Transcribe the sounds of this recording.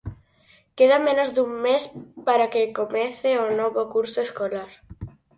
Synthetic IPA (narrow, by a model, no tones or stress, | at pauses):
keðamẽnozd̪uŋmespaɾakekomeθeonoβokuɾsoeskolaɾ